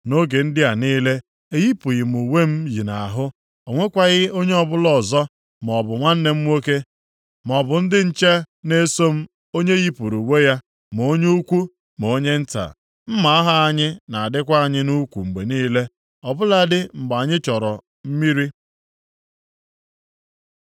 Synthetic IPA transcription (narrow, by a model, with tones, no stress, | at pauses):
no˦ɡe˨n̩˦dɪ˦a˨niː˦le˦ | e˦ɣi˦pu˨ɣɪ˨m˨u˨we˦m̩˦ji˨na˨a˨ɦʊ˦ | o˨ŋʷe˦kʷa˨ɣɪ˦o˦ɲe˦ɔ˨bʊ˦lɔ˨zɔ˦ | m˨ɔ˨bʊ˨ŋʷa˦n̩˦ne˦m̩˦ŋʷo˦ke˦ | m˨ɔ˨bʊ˨n̩˦dɪ˦n̩˦t͡ʃe˦ | ne˦so˦m̩˦ | o˦ɲe˦ɣi˦pu˨ɾu˨we˦ja˦ | m˨o˦ɲe˦u˦kʷu˦ | m˨o˨˦ɲe˦n̩˦ta̰˨ | m̩˦ma˨a˦ɦa˦a˦ɲɪ˦na˨a˨dɪ˦kʷa˦a˦˨ɲɪ˦nu˦kʷu˨ŋ͡m̩˨ɡ͡be˨niː˦le˦ | ɔ˨bʊ˦la˨dɪ˦ŋ͡m̩˨ɡ͡ba˨ɲɪ˦t͡ʃɔ˨ɾɔ˨ | m̩˦mi˦ɾi˦